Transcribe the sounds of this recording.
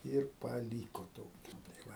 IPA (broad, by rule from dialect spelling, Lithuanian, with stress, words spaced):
ˈɪr pɐˈlʲiːkoː ˈtoːkʲɪ tɐɪ ˈʋɐ